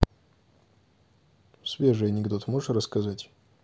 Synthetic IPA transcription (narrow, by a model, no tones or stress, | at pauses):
svʲeʐɨjɐnʲɪɡd̪o̞t̪moʐət̪rəskɐzatʲ